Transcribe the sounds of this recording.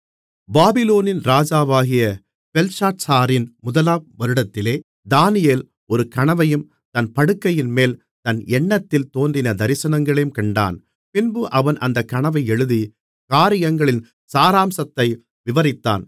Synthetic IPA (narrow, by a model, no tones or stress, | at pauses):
baːbɪloːnɪnɾaːd͡ʒaːʋaːɣɪjɐ | pɛlsaːʈsaːɾɪnmʊðɐlaːp̚ʋɐɾɯɽɐt̪ːɪleː | d̪aːnɪjeːl | ɔɾɯkɐɳɐʋɐjɯm | t̪ɐnpɐɽɯkːɐjɪnmeːl | t̪ɐnɛɳːɐt̪ːɪlt̪oːndrɪnɐd̪ɐɾɪsɐnɐŋɡɐɭɐjɯmkɐɳɖa̰ːn | pɪnbɯʔɐʋɐnʔɐnd̪ɐkːɐɳɐʋɐɪɛɻɯði | kaːɾɪjɐŋɡɐɭɪn | saːɾaːmsɐt̪ːɐɪ | ʋɪʋɐɾɪt̪ːa̰ːn